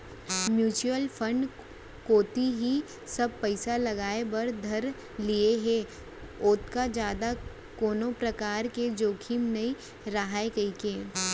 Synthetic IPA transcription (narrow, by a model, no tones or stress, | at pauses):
mjuːt͡ʃuəlpʰə̃ɳɖ | koːt̪iɦi | sɐb̚pɐɪsalɐɡaːebɐɾd̪ʱɐɾ | lieɦɛ | oːt̪kad͡ʒjaːd̪a | koːnõpɾɐkaːɾked͡ʒoːkʰimnɐĩ | ɾaɦaːekɐikeː